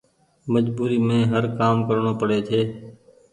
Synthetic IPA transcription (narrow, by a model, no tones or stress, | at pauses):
məd͡ʒbuːɾiːmẽːɦəɾkaːmkəɾɳoːpəɽeːt̪ʰeː